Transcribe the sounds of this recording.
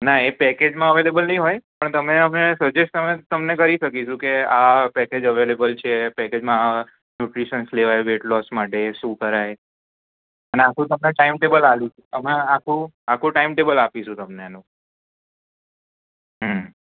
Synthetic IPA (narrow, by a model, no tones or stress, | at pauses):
naepɛked͡ʒmãəʋelebəlnəɦĩɦojpəɳt̪əmeəmesəd͡ʒeʃt̪əmet̪əmnekəɾiʃəkiʃũkeapɛked͡ʒəʋelebəlt͡ʃʰepɛked͡ʒmãa | njuʈɾiʃənsleʋajʋeʈlɔsmaʈeʃũkəɾaj | əneakʰũt̪əmneʈaimʈebəlalũt͡ʃʰuəmãakʰũ | akʰũʈaimʈebəlapiʃũt̪əmneanũ | ɦə